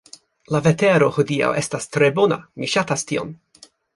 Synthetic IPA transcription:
laveteɾo̞hodia̰wʔestastɾebona̰miʃatastio̰m

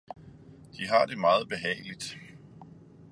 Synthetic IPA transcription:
d̥iɦɑ̈d̥e̝mɑ̈ːð̩ˠb̥e̝ɦɛ̰ːɪlid̥

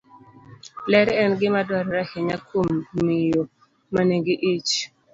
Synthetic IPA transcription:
lɛɾɛnɡɪmadwaɾɔɾahɪɲakʰomːijo | maneɡiʔit͡ʃ

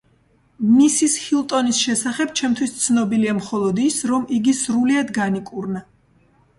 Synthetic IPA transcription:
misishilˠt̪ʼɔnisʃɛsaχɛb̚t͡ʃʰɛmt̪ʰwist̪sʰnɔbiliamχɔlˠɔd̪isɾɔmiɡisɾuliad̪ɡanikʼuɾna

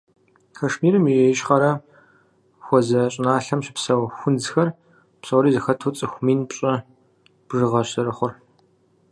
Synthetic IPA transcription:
kʰɐʂmiːɾɨmieʃχɐɾɐ | xʷɔzɐɕʼɪnaːɬɐmɕɪ̥psɐwxʷʊnd͡zxɐr | psɐwɾiːzɨxɐtʰut͡sʼɨxʷʊmiːnpɕʼɐ | b̥ʐɨʁɐɕɐɾɨχʷʊr

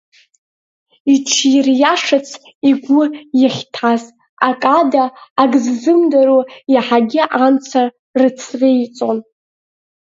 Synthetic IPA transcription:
iʈ͡ʂʰirjaʂat͡sʰ | iɡʷʊjaχʲtʰaz | akʼadaːɡzzɨmdaɾujaħaɡʲɪʔamt͡sʰar | rɨt͡sʰrejt͡sʼon

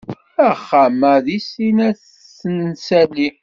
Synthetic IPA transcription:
æχːaməðisinæθː | ənsæli

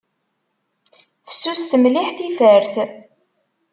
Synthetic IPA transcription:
fə̥sːust̪əmliħθifəɾθ

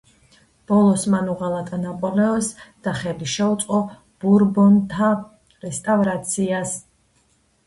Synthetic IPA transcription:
b̥ɔlˠɔsmanuʁalˠat̪ʼanapʼɔlɛɔsd̪̥aχɛliʃɛut̪sʼqʼɔ | b̥uɾbɔnt̪ʰa | ɾɛst̪ʼavɾat̪sʰias

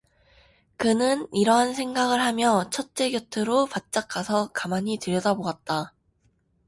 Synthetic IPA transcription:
kɯnɯniɾʌɦansʰe̞ŋɡaɡɯɭɦamjʌt͡ɕʰʌt̚t͡ɕ͈e̞ɡjʌtʰɯɾopat̚t͡ɕ͈ak͈ʰːasʰʌkamaɲitɯɾjʌdaboɡat̚t͈a

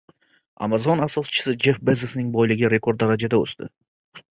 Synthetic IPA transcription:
a̰mazɒnasɒst͡ʃʰɪ̥sɪd͡ʒe̞fbezɪsnɪŋbɔjlɪɡʲɪɾe̞kʰo̞ɾd̪ːaɾad͡ʒad̪aɵ̰st̪ɪ̰

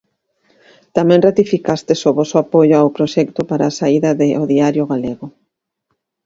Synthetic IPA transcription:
t̪amɛ̃ŋrat̪ifikast̪esʊβɔsʊapojoawpɾoʃɛkt̪ʊpaɾaːsaiðɐðɪʔoðiaɾjoɣaleɣʊ

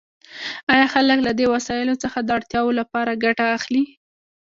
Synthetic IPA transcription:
ɑjɑxaləklad̪ewasɑjɪlot͡səxad̪əaɽt̪jɑwolapɑɾaɡaʈaːxli

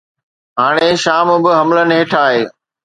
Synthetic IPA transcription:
ɦaːɽ̃eʃaːmbɪɦɐmlənɪɦeːʈʰaːɦeː

